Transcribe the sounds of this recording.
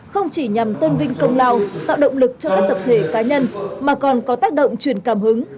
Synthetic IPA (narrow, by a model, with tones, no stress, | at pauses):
xə˧wŋ͡mt͡ɕi˧˩ɲa˨˩mt̪ə˧nvï˧ŋ̟kə˧wŋ͡mlaː˧wt̪a̰ː˧˨wɗə̰˧˨wŋ͡mlɨ˨˩k̚t͡ɕɔ˧kaː˦˥k̚t̪ʰə˨˩p̚t̪ʰe˧˩kaː˨˦ɲə˧nmaː˨˩kɔ˨˩nkɔ˨˦t̪aː˦˥k̚ɗo̰˧˨wŋ͡mt͡ɕwi˧˩ənkaː˧˩mhɨ˨˦ŋ